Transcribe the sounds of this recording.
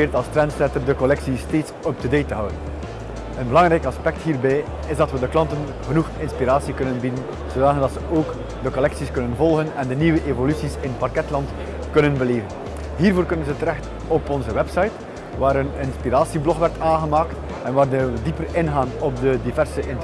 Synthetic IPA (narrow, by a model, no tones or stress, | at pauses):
ɪːrtɑlˠstrɛntsɛrtərdəkɔlɛksisteːtsɔp̚tədejtəɦœwdən | ənbəlɑŋɾɛjkɑspɛk̚tɦiːrbɛj | ɪzdɑtʋədəklɑntən | ɣənuxɪnspiɾaːsikɵnənbidən | z̥odaːəndɑtsəʔoːk | dəkɔlɛksiskɵnənvɔlˠɣənɛndəniʋəʔevolysisɪnpɑrkɛtlɑnt | kɵnənbəleːvən | ɦiːrvoːrkɵnənzətəɾɛxt | ɔpɔnzəwɛpsɑjt | ʋaːɾənɪnspiɾaːsiblɔxʋɛrtaːnɣəmaːkt | ɛnʋaːrdəədipərɪnɣaːnɔb̚dədivɛrsəʔɪn